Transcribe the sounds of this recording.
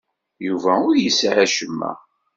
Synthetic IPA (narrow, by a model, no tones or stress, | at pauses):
juvæʊɾjəsʕaʃəmːæ̰